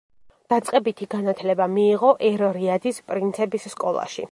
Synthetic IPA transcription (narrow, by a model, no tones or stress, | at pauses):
d̪̥at̪sʼqʼɛbit̪ʰiɡanat̪ʰlɛbamiːʁɔʔɛɾɔɾiad̪ispʼɾint̪sʰɛbisːkʼɔlˠa̰ʃḭ